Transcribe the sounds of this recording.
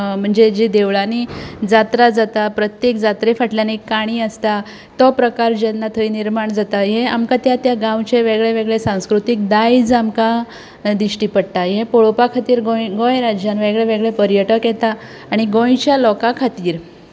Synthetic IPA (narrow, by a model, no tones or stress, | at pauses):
m̤əɳd͡zed͡ʑid̪eʋɭanid͡zat̪ɾad͡zat̪apɾət̪jekd͡zat̪ɾefaʈljanikːaɽ̃iːəst̪a | t̪ɔpɾəkaɾd͡ʑɛnːat̪ʰəiniɾmaɳd͡zat̪ajeamkat̪jat̪jaɡãwt͡ɕeʋeɡɭeʋeɡɭesãw̃skɾut̪ik̚d̪aid͡zamka | d̪iɕʈiːpəɽʈajepoɭopakʰat̪iːɾɡojɡõjɾad͡ʑjanʋeɡɭeʋeɡɭepəɾjəʈəkjɛt̪aː | ɽ̃iɡõjt͡ɕjalɔkakʰat̪iːɾ